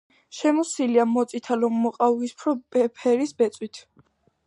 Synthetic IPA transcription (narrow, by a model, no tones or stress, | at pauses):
ʃɛmɔsiliamɔt̪sʼit̪ʰalɔmːɔqʼaispʰɾɔpɛpʰɛɾisbɛt̪sʼwit̪ʰ